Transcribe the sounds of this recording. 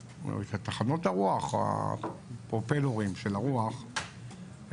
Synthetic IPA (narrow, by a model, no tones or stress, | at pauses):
t̪at̪aχanotaʁuaχa̰ | pʁopeloʁimʃelaʁuaχ